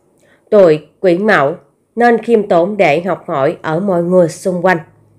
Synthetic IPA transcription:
t̪o˧˩jkwi˧˩˦ənma̰˧˩w | ne˧nxi˧əmt̪o˨˦nɗe˧˩ɦa˨˩wk͡p̚hɔ˧˩jʔəː˧˩mɔ̰˧˨jŋɨ˨˩əjsʊ˧ŋ͡mkwa˧jŋ̟

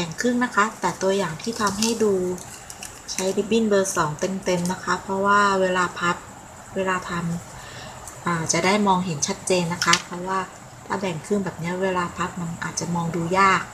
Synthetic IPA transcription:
bɛː˨˩ŋkʰɯ˥˩ŋna˦˥kʰa˦˥t̪ɛː˨˩t̪u˧ɐjaː˨˩ŋt̪ʰiː˥˩t̪ʰa˧mɦa˥˩jduː˧ | t͡ɕʰa˦˥jdi˧˩bi˥˩nbɤː˧sɔː˩˦ŋt̪e˧mt̪e˧mna˦˥kʰa˦˥pʰɾɔ˦˥waː˥˩weː˧laː˧pʰa˦˥p̚ | weː˧laː˧t̪ʰa˧m | ʔaː˨˩t͡ɕa˨˩da˥˩jmɔː˧ŋɦe˩˦nt͡ɕʰa˦˥t̪̚t͡ɕeː˧nːa˦˥kʰa˦˥pʰɔ˦˥waː˥˩ | t̪ʰaː˥˩bɛː˨˩ŋkʰɯ˥˩ŋbɛː˨˩p̚ni˦˥ɐ˨weː˧laː˧pʰa˦˥p̚ma˧nʔaː˨˩t̪̚t͡ɕa˨˩mɔː˧ŋduː˧jaː˥˩k̚

